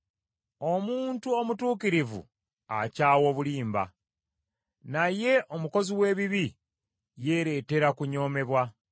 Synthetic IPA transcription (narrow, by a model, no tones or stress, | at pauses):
o̞muːntuo̞mutuːkiɾivṵ | acaːwo̞ːβuliːmba̰ | naje̞ʔomuko̞ziwe̞ːβiβi | je̞ːɾe̞ːte̞ɾakuɲo̞ːme̞βwa